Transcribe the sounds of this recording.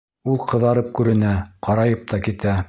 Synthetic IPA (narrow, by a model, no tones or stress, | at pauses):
ulˠqɤ̆ðɑɾɤp̚kʉɾɘ̆næqɑɾɑjɤp̚t̪ʰɑkit̪æ